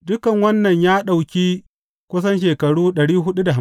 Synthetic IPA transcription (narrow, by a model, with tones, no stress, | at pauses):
dʊ˦kɐ˨ŋwɐ˦nːɐ˨ɲjaː˦ɗa˨wkʲiː˦ | kʷʊ˦s̬ɐ˦nʃ̬eː˨kɐ˨ɽuː˦ɗɐ˨ɽiː˦ɦʊ˦ɗu˦da˨a˦